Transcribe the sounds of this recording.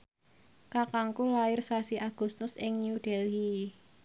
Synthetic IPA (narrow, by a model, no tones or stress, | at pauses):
kakaŋkulaɪrsasiʔaɡ̥ṳst̪ʊsɪŋnjuɖ̥ɛli